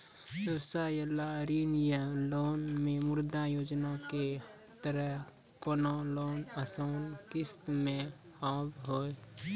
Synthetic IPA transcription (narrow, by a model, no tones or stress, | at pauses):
ʋəwsaːjəlaɾiːnjəloːnmẽmʊɾd̪ajoːd͡ʒnake | t̪əɾəɦ | konoloːnəsaʊnkɪst̪mẽ | haːbɦoːe